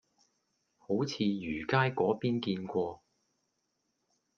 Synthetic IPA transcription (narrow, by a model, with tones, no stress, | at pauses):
ho˨˥wt͡sʰiː˨˧jyː˨˩kaː˥jkɔː˨˥piː˥nkiː˧nkʷɔː˧